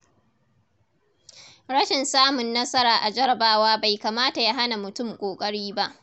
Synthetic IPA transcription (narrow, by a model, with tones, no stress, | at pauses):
ɾɐ˦ʃɪ˨nsaː˦mʊ˨nːɐ˦sɐ˦ɾaː˨ʔa˨d͡ʒɐ˦ɾɐ˨baː˦waː˦ba˨jkaː˨maː˦ta˨ja˦ɦa˦na˨mʊ˨tʊ˦˨mkʷʼoː˨kʼɐ˦ɽiː˦ba˦ʔ